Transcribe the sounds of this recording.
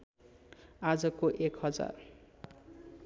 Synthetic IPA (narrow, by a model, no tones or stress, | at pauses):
ad͡zʌkoʔekɦʌd͡za̰r